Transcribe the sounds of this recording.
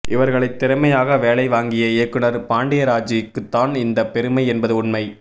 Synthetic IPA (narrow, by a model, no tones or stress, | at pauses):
ʔɪʋɐɾɣɐɭɐɪt̪ːɪɾɐmɐjaːɣɐʋeːɭɐɪʋaːŋɡɪjɐɪjɐkːɯnɐɾpaːɳɖɪjɐɾaːd͡ʒijɯkːɯt̪ːaːnɪnd̪ɐpɛɾɯmɐɪɛnbɐðɯʊɳmɐɪ